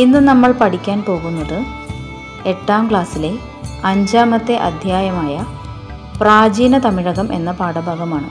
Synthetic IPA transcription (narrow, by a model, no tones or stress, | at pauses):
inːɨnɐmːɐɭpɐʈikʲːaːnpo̞ːɣunːɐðɨ | eʈːaːmkɭaːsile̞ | ɐɲd͡ʑaːmɐt̪ːe̞ʔɐ̰d̪ʱjaːjɐmaːjɐ | praːd͡ʑiːnɐt̪ɐmiɻɐɣɐmʔe̞̰nːɐpaːɽɐbʱaːɣɐmaːɳɨ̰